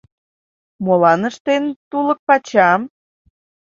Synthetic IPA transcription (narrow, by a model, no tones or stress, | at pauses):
molɑnəʃt̪ent̪ulək̚pɑt͡ɕɑm